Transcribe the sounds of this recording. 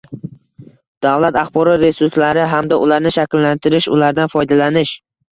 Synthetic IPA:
d̪̥avlat̪aχbɒɾɒt̪ɾe̞sʊɾslaɾɪɦamd̪aʔʊlaɾnɪʃakʲɪlːant̪ʰɪɾɪʃʊ̰laɾd̪anfɒjd̪alanɪʃ

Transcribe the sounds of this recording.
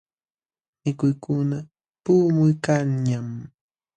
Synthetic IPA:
mɪkʊjkʊna | puːmʊjkaŋɲam

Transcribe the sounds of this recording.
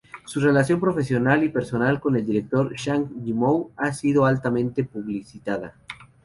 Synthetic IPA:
sure̞lasjo̞mpɾo̞fe̞sjo̞nalipe̞ɾso̞nalko̞ne̞ld̪iɾe̞k̚t̪o̞ɾʃaŋʝimowasiðo̞alt̪amẽnt̪e̞puβlisit̪aða̰

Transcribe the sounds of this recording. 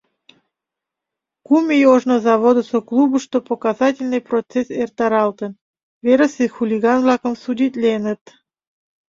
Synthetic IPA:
kumʲejoʒnozɑβod̪əsoklˠubəʃt̪opokɑzɑtʲɪlʲnɨjprot͡sesert̪ɑɾɑlt̪ən | veɾəsexulʲiɣɑnvlɑkəmsudʲit̪ʲlʲenət̪

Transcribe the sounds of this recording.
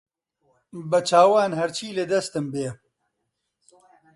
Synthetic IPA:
bɐt͡ʃʰaːwaːnhɐɾt͡ʃʰiːlɨd̪ɐst̪ɨmbeː

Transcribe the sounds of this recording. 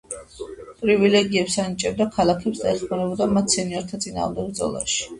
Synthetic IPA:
pʼɾivilɛɡiɛpsanit͡ʃʼɛb̚d̪akʰalakʰɛpsd̪aɛχmanɛbɔd̪amat̪ʰsɛniɔɾt̪ʰat̪sʼina̰ːʁmd̪ɛɡ̚bd̪zɔ̰lˠa̰ʃi̥

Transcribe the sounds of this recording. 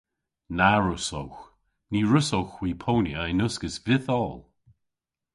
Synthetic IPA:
naɹʊsowx | niːɹʊsowxw̥iːpʰownjəɪnʊsɡəsvɪθɔːlˠ

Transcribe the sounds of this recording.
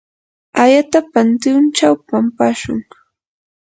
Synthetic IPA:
ajat̪apant̪ɪʊnt͡ʃawpampaʃʊ̰ŋ

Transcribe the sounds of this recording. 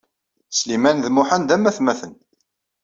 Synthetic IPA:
slimænðmʊħand̪æmæθmæθən

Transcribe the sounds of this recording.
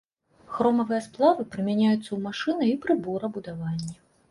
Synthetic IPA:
xɾɔmɐvɨjɛsplˠavɨpɾɨmʲanʲajut̪sːɐwmaʂɨnɐipɾɨbɔɾɐbud̪avanʲːɛ

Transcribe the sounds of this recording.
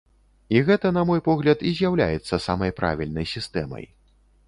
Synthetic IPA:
iɣɛt̪ɐn̪ɐmɔjpɔɣlʲɐt̪izʲjawlʲa̰jɛt̪sːɐsamɐjpɾa̰vʲilʲnɐjsʲist̪ɛmɐ̰j

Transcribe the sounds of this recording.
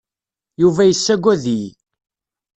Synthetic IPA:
juvæjəsːæɡʷːæði

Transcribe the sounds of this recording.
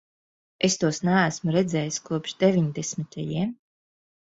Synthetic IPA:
est̪uɔsnæːæsmuɾɛd̪zʲɛːjiskuɔpʃd̪evʲiɲd̪ɛsmʲit̪ʰajiɛm

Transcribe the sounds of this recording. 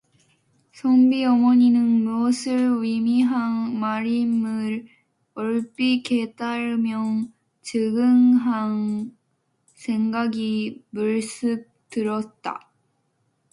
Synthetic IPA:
sʰombiʌmʌɲinɯnmuʌsʰɯɭwimiɦaŋmaɾimɯɾ | ʌɭp͈iket͈aɾɯmjʌŋ | t͡ɕɯɡɯŋɦaŋ | sʰeŋɡaɡimuɭs͈ɯp̚tɯɾʌt̚t͈a̰

